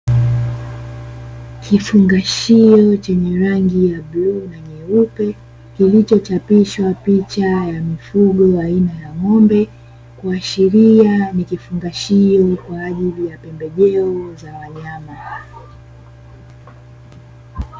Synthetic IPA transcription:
kʰifuŋɡaʃiɔt͡ʃɛɲɛɾaŋɡijaɓluːnaɲɛupɛ | kilit͡ʃɔt͡ʃapiʃwapit͡ʃajamifuɠɔainajaŋɔmbɛ | kwaːʃiɾianikifuŋɡaʃiɔkwaːʄilijapɛmbɛʄɛɔzawaɲama

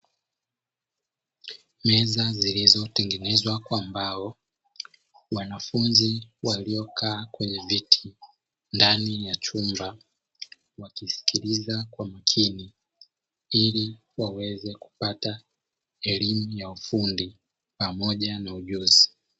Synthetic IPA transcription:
mɛzazilizɔtɛŋɡɛnɛzwakwaːmbaɔ | wanafunziwaliɔkʰaːkwɛɲɛvitʰi̥ | ndanijat͡ʃumba | wakisi̥kʰilizakwamakʰini | ili | wawɛzɛku̥pata | ɛlimujaufundi | pamɔʄanauʄuzi

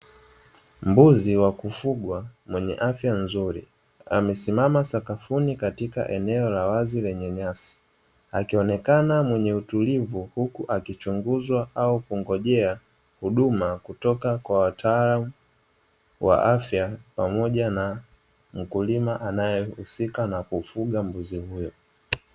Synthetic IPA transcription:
m̩buziwakufuɠwamwɛɲɛ̰ʔafjanzuɾḭ | a̰mɛsimamasakafunikatika̰ʔɛnɛɔlawazilɛɲɛɲasi̥ | akiɔnɛkanamwɛɲɛutulivuhukuʔakit͡ʃuŋɡuzwaʔaukuŋɡɔʄɛa | huɗumakutɔkakwawatʰaːlamu | wa̰ʔafjapamɔʄana | m̩kulimaʔanajɛhusikanakufuɠambuzihujɔ

